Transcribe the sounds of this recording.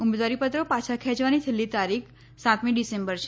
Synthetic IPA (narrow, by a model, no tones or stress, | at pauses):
ʊmed̪ʋaɾipət̪ɾopat͡ʃʰakʰɛ̃d͡ʒʋanit̪ʰəlːit̪aɾikʰ | sãt̪miɖisembəɾt͡ʃʰe